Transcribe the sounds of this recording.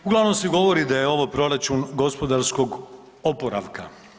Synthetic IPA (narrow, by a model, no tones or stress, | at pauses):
uɡlˠaʋno̞mseɡo̞ʋo̞ɾid̪ajeo̞ʋopɾo̞ɾat͡ʃunɡo̞spo̞d̪aɾsko̞ɡ | opo̞ɾa̰ʋka̰